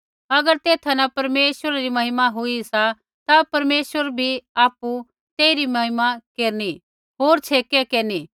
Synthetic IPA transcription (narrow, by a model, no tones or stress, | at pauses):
ɐɡəɾt̪eːt̪ʰanɐpɐɾmeːswəɾaɾimɐɦɪmaɦʊisa | t̪apɐɾmeːsəɾbʱiaːpu | t̪eːiɾimɐɦɪmakeːɾni | ɦoːɾt͡ʃʰeːkɛkeːni